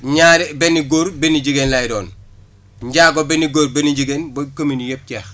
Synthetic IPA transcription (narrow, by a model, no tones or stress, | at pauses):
ɲaːɾibeniɡoːɾbeniɟiɡenlajɾoːn | ɲɟaːɡobeniɡoːɾbeniɟiɡenbokominjep̚cex